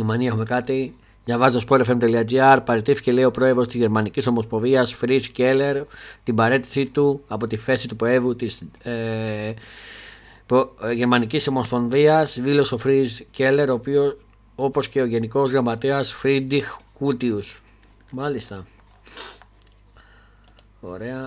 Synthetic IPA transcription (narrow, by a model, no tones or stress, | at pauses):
umɐniɐexume̞kɐt̪i | vɐvɐzit̪o̞spoɾfemt̪eliɐd͡ʒiɐɾpɐɾet̪ifi̥ce̞le̞io̞pɾo̞e̞vo̞st̪izʝe̞ɾmɐniciso̞mo̞spo̞viɐsfɾizcele̞ɾt̪ibɐɾe̞t̪i̥sit̪uɐpo̞t̪ife̞sit̪upɾo̞e̞vut̪is | poʝe̞ɾmɐniciso̞mo̞spo̞nðiɐsvilo̞so̞fɾizce̞le̞ɾo̞pio̞ | o̞po̞sce̞o̞ʝe̞niko̞zɣɾɐmɐt̪eɐsfɾid̪ixkut̪ius | mɐlist̪ɐ | o̞̰ɾe̞ɐ